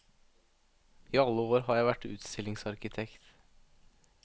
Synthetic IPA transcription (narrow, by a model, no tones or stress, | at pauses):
iːɑlːəoːɾɦɑːɾjæɪʋæʈʉ̰ːt̪st̪ʰɪlɪŋsɑɾkɪt̪ʰɛkt̪